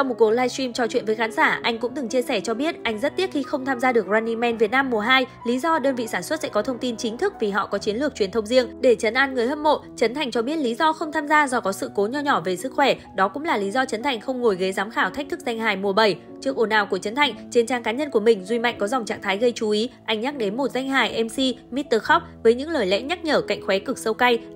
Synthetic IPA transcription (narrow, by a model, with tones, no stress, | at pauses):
t͡ɕa˧wŋ͡mmo˨˩ku˨˩ək̚laː˧jsi˧mt͡ɕɔ˧t͡ɕwḭ˧˨ənvəː˨˦xaː˨˦nsaː˧˩ʔa˧jŋ̟kʊ̰˧˥ŋ͡mt̪ɨ˨˩ŋt͡ɕi˧əsɛ˧˩t͡ɕɔ˧ɓi˦˥ət̚ʔa˧jŋ̟zə˦˥t̚t̪i˦˥ət̚xi˧xə˧wŋ͡mt̪ʰaː˧mzaː˧ɗɨ˨˩ək̚zaː˧ni˧mɛ˧nvi˨˩ət̚naː˧mːu˨˩əɦaː˧jli˨˦zɔ˧ɗəː˧nvḭ˧˨saː˧˩nswə˦˥t̚sɛ̰˧˥kɔ˨˦t̪ʰə˧wŋ͡mt̪i˧nt͡ɕï˨˦ŋ̟t̪ʰɨ˦˥k̚vi˨˩ɦɔ̰˧˨kɔ˨˦t͡ɕi˨˦ənlɨ˨˩ək̚t͡ɕwi˨˩ənt̪ʰwŋ͡mzi˧əŋɗe˧˩t͡ɕə˨˦nʔaː˧nŋɨ˨˩əjhə˦˧p̚mo̰˧˨t͡ɕə˨˦nt̪ʰa˨˩jŋ̟t͡ɕɔ˧ɓi˦˥ət̚li˨˦zɔ˧xə˧wŋ͡mt̪ʰaː˧mzaː˧zɔ˧kɔ˨˦sɨ̰˧˨ko˨˦ɲɔ˧ɲɔ˧˩ve˨˩sɨ˦˥k̚xwɛ˧˩ɗɔ˨˦kʊ̰˧˥ŋ͡mlaː˨˩li˨˦zɔ˧t͡ɕə˨˦nt̪ʰa˨˩jŋ̟xə˧wŋ͡mŋo˨˩jɣə˨˦jzaː˨˦mxaː˧˩wt̪ʰk̚t̪ʰɨ˦˥k̚za˧jŋ̟ɦaː˨˩jmu˨˩əɓə˧˩j | t͡ɕɨ˦˥ək̚ʔo˨˧˩naː˨˩wku˧˩ət͡ɕə˨˦nt̪ʰa˨˩jŋ̟t͡ɕe˧nt͡ɕaː˧ŋkaː˨˦ɲə˧nku˧˩əmï˨˩ŋ̟zwi˧ma̰˧˨jŋ̟kɔ˨˦za˨˩wŋ͡mt͡ɕa̰ː˧˨ŋt̪ʰaː˨˦jɣə˧jt͡ɕu˨˦ʔi˨˦ʔa˧˩jŋ̟ɲa˦˥k̚ɗe˨˦nmo˨˩t̚za˧jŋ̟ɦaː˨˩jʔɛ˧msi˧mi˦˥t̚t̪əː˧xɔ˦˥k͡p̚vəː˨˦jɲɨ̰˧˥ŋləː˨˩jlɛ̰˧˥ɲa˦˥t̚ɲəː˧˩ka̰˧˨jŋ̟xwɛ˨˦kɨ˨˩k̚sə˧wka˧j